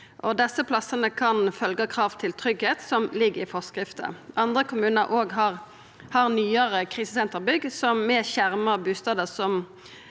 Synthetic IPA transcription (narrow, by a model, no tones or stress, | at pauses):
ʔɔd̪ɛsəpʰlɑsːənəkʰɑnfœlɡəkʰʁɑːʋt̪ʰɪlt̪ʰʁʏɡheːt̪sɔmlɪɡəʁɪfɔskɾɪft̪ə̰ʔɑnd̪ʁəkʰʊmʉːnəɾʔoːɡɦɑʁ | hɑʁnyːəʁəkʰʁiːsəsɛnt̪əʁbʏɡsɔmmɛçæʁməbʉːst̪ɑːd̪əsɔm